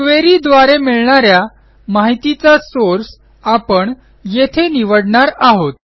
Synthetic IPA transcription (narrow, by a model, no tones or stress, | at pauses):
kʋeɾid̪ʋaɾemiɭɳaɾja | maɦit̪it͡sasoɾs | apəɳ | jet̪ʰeniʋəɽɳaɾaɦot̪̚